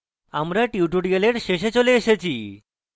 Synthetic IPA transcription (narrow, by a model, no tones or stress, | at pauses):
amɾaʈiuʈuɖieleʈʃeɕet͡ɕoleeʃet͡ɕʰi